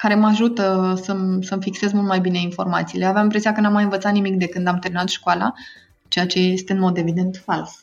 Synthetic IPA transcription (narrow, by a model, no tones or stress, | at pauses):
kaɾe̞maʒut̪əsəmsəmfikse̞zmult̪majbine̞info̞rmat̪siːleavjamimpɾe̞sijakənamːajɨnvət̪sat̪nimik̚d̪e̞kɨnd̪amt̪eɾmʲinat̪ʃkoala̰ | t͡ʃe̞jat͡ʃe̞je̞st̪eɨnmo̞d̪e̞vid̪e̞nt̪fals